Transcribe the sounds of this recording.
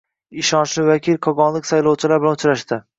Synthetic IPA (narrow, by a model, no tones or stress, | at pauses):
ɪʃɒnt͡ʃlɪvakʲʰilˠqʰɒɡɒnlˠɪkʲsajlˠowt͡ʃʰɪlaɾbɪlanʊt͡ʃʰɾaʃt̪ɪ